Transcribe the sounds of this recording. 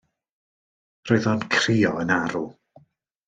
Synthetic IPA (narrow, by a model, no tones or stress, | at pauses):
roɨðɔnkʰriːɔənaɾu